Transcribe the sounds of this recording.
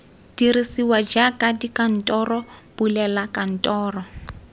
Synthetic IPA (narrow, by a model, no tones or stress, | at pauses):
d̥iɾisiwad͡ʒakʼadikan̩tʼɔrɔbulɛlakʼan̩tʼɔːrɔ